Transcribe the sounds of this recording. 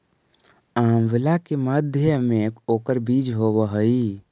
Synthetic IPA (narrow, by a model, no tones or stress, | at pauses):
aːmʋɪlakeməd̪ʱjəmekoːkəɾbiːd͡ʒɦobəɦəi